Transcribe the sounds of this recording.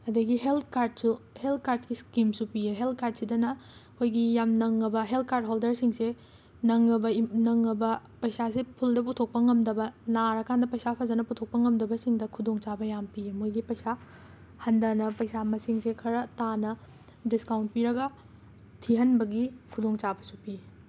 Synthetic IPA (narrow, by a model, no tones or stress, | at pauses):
ɐdɐɡiɦelt̚ʰkaɾd̚suhelt̚ʰkaɾdkiskimsupijeɦelt̚ʰkaɾd̚sidɐnɐɐkʰojɡijamnɐŋːɐbɐɦelt̚ʰkaɾd̚ɦoldɐɾsiŋse | nɐŋːɐbɐnɐŋːɐbɐpɐjsasepʰuldɐputʰok̚pɐŋɐmdɐbɐnaɾɐkʰandɐpɐjsapʰɐzɐnɐputʰok̚pɐŋɐmdɐbɐsiŋdɐkʰudoŋt͡ʃabɐjampiemojɡipɐjsa | hɐndɐnɐpɐjsamɐsiŋsekʰɐɾɐtanɐ | diskawnt̚piɾɐɡɐ | tʰiɦɐnbɐɡikʰudoŋt͡ʃabɐsupi